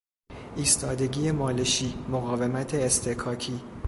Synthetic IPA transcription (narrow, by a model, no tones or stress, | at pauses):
ʔiːst̪ʰɒːd̪e̞ɟiːjemɒːleʃiːmoɣɒːve̞mæt̪ʰeːst̪ʰekʰɒːcʰiː